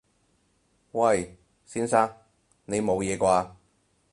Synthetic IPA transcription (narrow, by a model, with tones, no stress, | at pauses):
wɐ˥˧˩j | siː˥nsaː˥ŋ | ne˨˧jmo˨˧wjɛː˨˧kʷaː˧